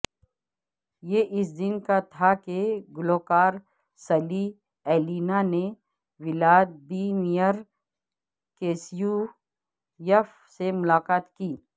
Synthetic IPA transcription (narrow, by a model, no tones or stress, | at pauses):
jeʔɪs̬d̪ɪnkat̪ʰakeɡʊloːkaːɾ | sɐli | ɛːliːnane | wɪlaːd̪̚biːmijəɾ | keːsiju | jəf | semʊlaːqaːt̪kiː